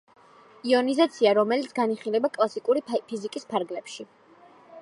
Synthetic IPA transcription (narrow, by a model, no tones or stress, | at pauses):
iɔnizat̪sʰiaɾɔmɛlit̪sʰɡaniχilɛbakʼlˠasikʼuɾipʰizikʼispʰaɾɡlɛpʃi